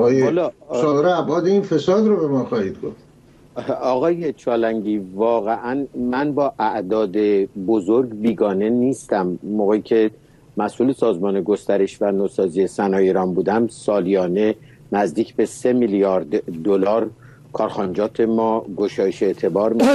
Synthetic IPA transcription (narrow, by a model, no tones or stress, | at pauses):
jehlɒɒɾeæbɒːd̪einfesɒːd̪ɾobemɒːxɒːhid̪̚ɡoft̪ | ɒːɣɒːje̞t͡ʃʰɒːlæŋɟiːvɒːɣeʔænmænbɒːʔæʔd̪ɒːd̪ebozoɾɡbiːɡɒːne̞niːst̪æmːoːɣeicʰe̞ | mæsʔuːle̞sɒːzmɒːne̞ɡo̞st̪æɾe̞ʃvænoːsɒːzije̞sænɒːjeɾɒːnbuːd̪æmsɒːlijɒːne̞ | næzd̪iːcʰbe̞se̞milijɒːɾd̪ːolɒːɾ | kʰɒːɾxɒnd͡ʒɒːt̪ʰe̞mɒːɡoʃɒːjeʃet̪ʰe̞bɒːɾmiʃ